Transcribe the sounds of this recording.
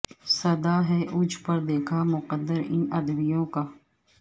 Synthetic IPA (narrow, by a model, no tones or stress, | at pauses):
səd̪aːɦɛːʔʊd͡ʒʱpəɾd̪eːkʰaːmʊqəd̪əɾɪ̃ːʔəd̪bɪjõːkaː